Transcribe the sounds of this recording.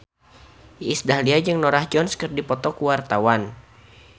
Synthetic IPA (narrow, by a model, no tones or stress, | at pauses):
isdahliad͡ʒɨŋnɔɾahd͡ʒɔnskɨrdipɔt̪ɔkuwart̪awan